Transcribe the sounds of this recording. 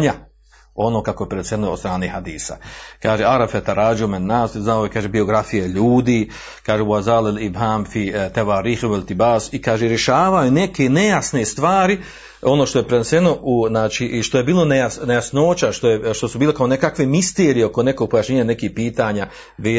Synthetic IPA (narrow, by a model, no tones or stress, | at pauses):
ɲa | o̞noːkako̞jepɾeneseno̰st̪ɾaːnehad̪iːsa̰kaːʒeaɾabfet̪aɾaːd͡ʒomennaːsznaoekaːʒebio̞ɡɾafijeʎuːd̪iː | kaːʒewazaːlelibɦaːmfit̪aʋaːɾiːxewelt̪ibaːsikaːʒeɾjeʃaːʋajune̞ke̞nejasne̞st̪ʋaːɾi | o̞noːʃt̪o̞jepɾenese̞no̞ʔuznaːt͡ʃiʔʃt̪o̞je̞biːlˠo̞nejanejasnoːt͡ɕaʃt̪ojeʃt̪o̞subiːlekaone̞kakʋemist̪eːɾijeoko̞ne̞koɡ̚po̞jaːʃɲeːɲane̞kiːhpiːt̪aːɲa | ʋeː